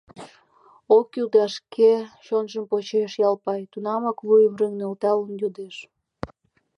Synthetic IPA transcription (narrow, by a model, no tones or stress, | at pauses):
okud̪ɑʃkʰeɕonʒəmpot͡ɕeʃjɑlpɑjt̪unɑmɑklujβreŋnelt̪ɑlənjod̪eʃ